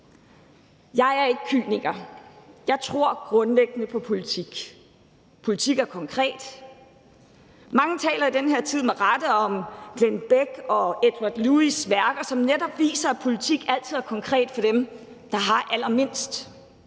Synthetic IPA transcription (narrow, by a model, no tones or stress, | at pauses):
jɑ̈ɪæɐe̝ɡ̥ə̥kʰy̰ːniɡ̥ɐjɑ̈ɪt͡sʰʁo̝ɐ̰ɡ̥ʁɔ̽nleɡ̥ənəpʰɒ̽pʰo̝lit͡sʰiɡ̥ | pʰo̝lit͡sʰiɡ̥æɐkʰɒ̽ŋkʰʁɛ̰ːd̥ | mɑ̈ŋət͡sʰɛ̰ːlɐid̥enɦeɐ̰t͡sʰið̰ˠmeʁɑd̥əɒ̽mɡ̥lenb̥eɡ̥ɒ̽ed̥wɑ̈d̥luisʋæɐɡ̥ɐsɒ̽mnedɒ̽b̥ʋḭːsɐpʰo̝lit͡sʰiɡ̥æl̰t͡sʰið̞̰ˠæɐkʰɒ̽ŋkʰʁɛ̰ːd̥fɒ̽d̥em | d̥ɑ̈ɦɑ̈ʔælɐme̝n̰sd̥